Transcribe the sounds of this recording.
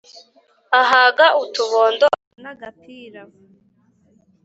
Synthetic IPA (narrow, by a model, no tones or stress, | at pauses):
aɦaɡaʔutuβoːndo | naɡapiːɾa